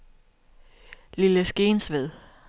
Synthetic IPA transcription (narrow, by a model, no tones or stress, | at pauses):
liləsɡ̥e̝ːnsʋeð̰ˠ